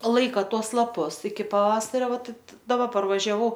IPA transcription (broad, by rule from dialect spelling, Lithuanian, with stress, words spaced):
ˈlˠɐɪkɐ ˈtuɔs lˠɐˈpʊs ɪkʲɪ pɐˈʋɑːsɐrʲoː ˈʋɐt dɐˈbɐ pɐrʋɐʒʲɛˈʋɐʊ